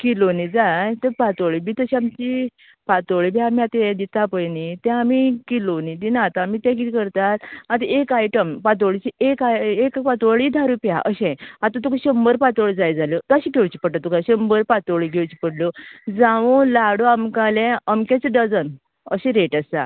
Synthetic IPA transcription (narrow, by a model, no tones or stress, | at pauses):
kilonid͡zajt̪əpat̪oɭibʱit̪əɕiamt͡ɕi | pat̪oɭibʱiamiat̪ɛ̃d̪it̪apəjnit̪ɛ̃amikilonid̪inaːt̪ãːmiːt̪ɛ̃k̬it̪ikəɾt̪at̪at̪aekajʈəmpat̪̬oɭit͡ɕiekaekpat̪oɭid̪ʱaɾupjaʔəɕɛ̃at̪at̪̬ukaɕəmbəɾpat̪oɭd͡zajd͡zalot̪ɔaɕiɡʱewt͡ɕi̥pəʈat̪ːɔkaɕəmbəɾpat̪oɭiɡʱewt͡ɕipəɽlod͡zaʋolaɽoamkalɛ̃əmkɛt͡seɖəd͡zən | əɕɛ̃ɾeʈəsd͡za̰